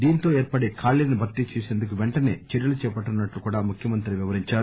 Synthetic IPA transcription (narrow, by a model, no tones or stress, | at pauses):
d̪iːnit̪o̞ːeːɾpɐɽeːkʰaːɭːenibʱɐɾt̪ːit͡ʃeːseːnd̪ukuʋɛɳʈɐne̞̰ːt͡ʃeɾjɐlut͡ʃɛːpɐʈːɐnːɐʈlukuːɽaːmukʰjɐmɐnt̪ɾiʋiʋɐɾiɲt͡ʃaːɾu